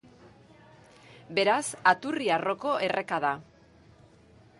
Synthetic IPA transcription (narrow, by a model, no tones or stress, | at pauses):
be̞ɾasat̪uriaro̞ko̞ʔe̞re̞kaða